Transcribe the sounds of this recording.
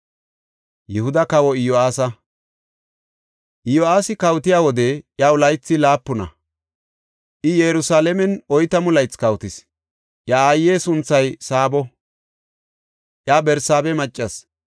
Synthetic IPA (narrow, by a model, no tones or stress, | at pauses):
jɛhʊd̪ɐkɐwɔɪjoaːsɐ | ʔɪjoaːsɪkɐwt̪ɪjaːwɔd̪ɛʔjaʊlɐjt͡sːɪlaːpːʊnɐ̰ | ʔɪjɛɾʊsaːlɛmɛnɔjt̪ɐmʊlɐjt͡skɐwt̪ɪs | ʔjaaːjːeːsʊnt͡sːɐjsaːbɔ | ʔjaːbɛɾsaːbɛmɐt͡ʃʼːɐs